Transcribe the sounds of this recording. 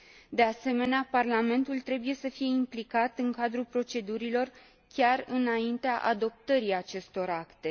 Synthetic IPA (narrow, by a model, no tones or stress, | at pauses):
d̪e̞ase̞me̞neaparlame̞nt̪ult̪ɾe̞buje̞səfije̞implikat̪ɨŋkad̪ɾupɾo̞t͡ʃe̞d̪uɾilo̞r | kʲarɨnaint̪eaʔa̰d̪o̞p̚t̪əɾiat͡ʃe̞st̪o̞ɾakt̪e̞